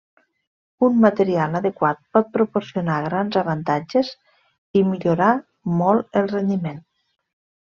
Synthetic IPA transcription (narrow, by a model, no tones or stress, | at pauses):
unmat̪eɾialəðekwat̪̚pɔt̪̚pɾupoɾsionaɣɾanzəβant̪ad͡ʒez | imiʎoɾa | mɔlˠəlˠrend̪imen